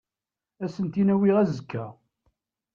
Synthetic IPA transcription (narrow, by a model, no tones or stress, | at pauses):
æsənt̪inæwiʁæzəkʰːæ